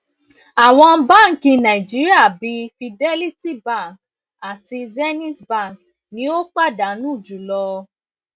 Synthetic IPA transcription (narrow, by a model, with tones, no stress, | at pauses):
a˨w̃ɔ̃˧˦ba˦˨ŋ̩˨kĩ˧nã˨i˨d͡ʒi˦ɾi˦a˦˨bi˧fi˧dɛ˦li˦ti˦˨ba˦˨k̚ | a˨ti˧zɛ˦nĩ˦tba˦˨k | nĩ˨˦o˦k͡pa˦˨da˨nũ˨˦˨d͡ʒu˨˦lɔ˧